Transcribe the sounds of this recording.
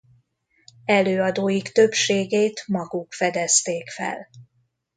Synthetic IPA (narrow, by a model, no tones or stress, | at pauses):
ɛløːɒd̪oːjikt̪ø̞pʃeːɡeːt̪mɒɡukfɛd̪ɛst̪eːkfɛ̰l